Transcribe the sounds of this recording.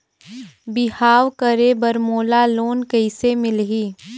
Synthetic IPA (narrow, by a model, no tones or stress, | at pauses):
bɪhaːwkəɾebəɾmoːlaloːnkəɪsemɪlɦiː